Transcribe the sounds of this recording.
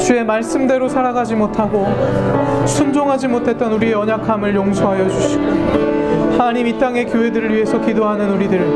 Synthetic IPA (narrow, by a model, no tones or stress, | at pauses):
t͡ɕue̞maɭs͈ɯmde̞ɾosʰaɾaɡad͡ʑimotʰaɡo | sʰund͡ʑoŋɦad͡ʑimotʰe̞t̚t͈ʌnuɾieʌɲakʰamɯɭjoŋsʰoɦajʌd͡ʑuɕʰi̥ɡo | hanaɲimit͈aŋe̞kjoɦedɯɾɯɭɥiɦe̞sʰʌkidoɦanɯnuɾidɯɭ